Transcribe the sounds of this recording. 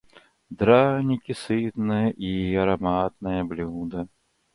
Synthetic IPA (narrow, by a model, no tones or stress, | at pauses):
d̪ɾanʲikʲisɨt̪nɨjɐʔiɐɾamat̪̚nɐjɐblʲud̪ɐ